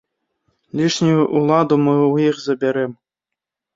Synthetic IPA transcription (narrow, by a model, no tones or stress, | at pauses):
lʲiʂnʲujuʔulˠad̪umɨujixzɐbʲeɾɘm